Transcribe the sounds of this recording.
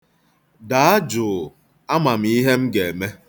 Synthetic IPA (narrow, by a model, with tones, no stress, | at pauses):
da˨a˦d͡ʒʊ˨ | a˦ma˨m̩˨i˦ɦe˦m̩˦ɡe˨e˨me˦